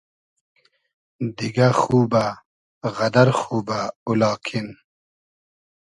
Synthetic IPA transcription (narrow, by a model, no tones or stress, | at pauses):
d̪iɡaxuːba | ɣɐd̪ɐɾxuːbaulɑːkʰin